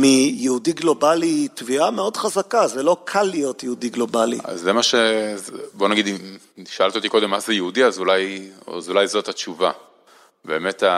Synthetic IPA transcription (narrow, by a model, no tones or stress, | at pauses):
mijeudiɡlo̞balitviameo̞dχazakazelo̞kʰalːijo̞tjeudiɡlo̞balḭa̰zːemaʃezbo̞naɡid̪i | ʃoalt̪iot̪iko̞d̪e̞mːazejeudiazulajzulajzo̞tat͡ʃuva | be̞ːme̞ta